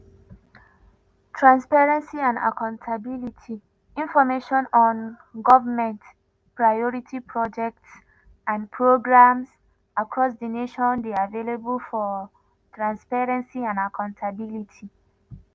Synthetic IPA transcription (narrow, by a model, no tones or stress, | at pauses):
tʰɹãnspaɹɛ̃nsiãnda̰kʰãʊ̃ntʰabilitʰi | ĩnfɔmeʃɔ̃nɔ̃n | ɡɔvəmɛ̃nt | pɹajɔɹitʰipʰɹɔd͡ʒɛk̚ts | ãnpʰɹoɡɹams | akɹɔs̬dəneʃɔ̃ndeavelebəlfɔ | tʰɹãnspaɹɛ̃nsiãnakʰãʊ̃ntʰabilitʰi